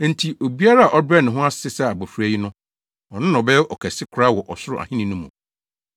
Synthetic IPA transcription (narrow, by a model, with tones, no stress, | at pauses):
n̩˨tʰi˨o˨bi˦a˦ɾa˦a˨ʔɔ˦bɛ˦nɪ̃˨ɦʊ̃˦a˦ssɪ˦sɛ˦a˨bɔ˨fæ˦ji˦nʊ̃˦ | ɔ˨nʊ̃˦nɔ̃˨bɛ˦ɔ˨kʰɛ˨sɪ˦kʰʊ˦ɾa˦wɔ˨ʔɔ˨sʊ˦ɾʊ̰˨ʔa̰˨hĩ˦nĩ˨nʊ̃˦mũ˨